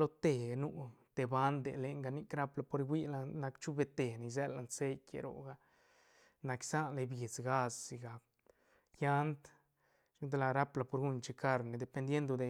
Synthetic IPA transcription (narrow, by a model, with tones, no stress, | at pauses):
lo˦t̪e˨nu˧t̪e˨ba˦nd̪ḛ˨le˨ŋɡa˧ni˦˧kɾa˦pla˧po˧ɾɡʷwi˦la˧na˧kt͡ʃu˦be˧t̪e˨ni˧z̬e˦la˧nse˦jkḛ˧ɾo̰˨ɡa˧ | na˧ksa˦nle˧bje˨t͡sɡa˦ssi˨ɡa˨k | ja˦nt̪ | ʃu˦d̪e˧la˧ɾa˦pla˧po˧ɾɡu˧nt͡ʃi˧ka˧ɾne˨d̪e˨pe˧nd̪je˦nd̪o˧d̪e˨